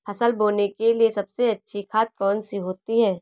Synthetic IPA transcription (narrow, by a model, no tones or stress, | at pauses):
pʰɐsəlboːnekeliesɐbseɐtːʃʰikʰaːt̪̚kɔːnsiɦoːt̪iɦɛː